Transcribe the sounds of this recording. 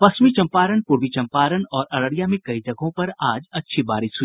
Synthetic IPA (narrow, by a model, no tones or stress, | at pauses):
pɐsmit͡ʃɐ̃mpaːɾənpʊɾʋit͡ʃɐ̃mpaːɾənɔːɾɐɾəɽijamẽkɐid͡ʒɐɡʱõpɐɾaːd͡ʒɐtːʃʰibaːɾɪsʊ